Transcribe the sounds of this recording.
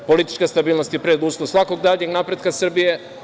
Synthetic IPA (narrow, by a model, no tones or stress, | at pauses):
po̞lit̪i̥t͡ʃkast̪abiːlno̞st̪jepɾed̪uːslˠosʋakoɡd̪aːɲeɡnapɾe̞d̪kasrbije